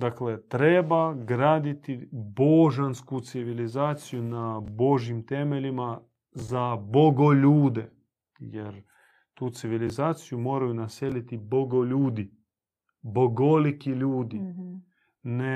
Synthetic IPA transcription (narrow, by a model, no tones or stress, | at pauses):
d̪aklet̪ɾebaɡɾaːd̪it̪ibo̞ʒanskut̪siʋilizaːt̪sijunabo̞ʒjimt̪e̞meʎima | zabo̞ɡoʎuːd̪e | jeɾ | t̪uːt̪siʋilizaːt̪sijumo̞ːɾajunaselit̪ibo̞ɡoʎuːd̪i | boɡolikiʎuːd̪i | ne